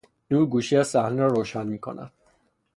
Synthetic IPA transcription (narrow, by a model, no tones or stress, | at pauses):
nuːɾɡuːʃiæzsæhneɾɒːɾoːʃænmiːkʰo̰nʔæ̰d̪̥̚